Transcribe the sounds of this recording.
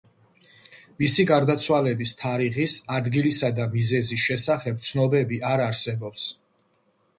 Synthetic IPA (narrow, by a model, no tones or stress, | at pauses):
misiɡaɾd̪at̪sʰwalɛbist̪ʰaɾiχisad̪ɡilisad̪amizɛzisʃɛsaχɛb̚t̪sʰnɔbɛbiʔaɾaɾsɛbɔps